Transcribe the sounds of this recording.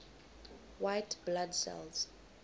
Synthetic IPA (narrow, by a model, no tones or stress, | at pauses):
wajtʰbladsɛ̰lz̥